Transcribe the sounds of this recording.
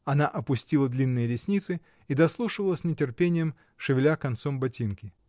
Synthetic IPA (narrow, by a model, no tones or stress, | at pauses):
ɐnaʔɐpʊsʲtʲilˠəd̪lʲinːɨjəɾʲɪsʲnʲit̪sɨ | id̪ɐslˠuʂɨvəlˠəsʲnʲɪtʲɪrpʲenʲɪjəm | ʂɨvʲɪlʲakɐnt̪sombɐtʲinkʲɪ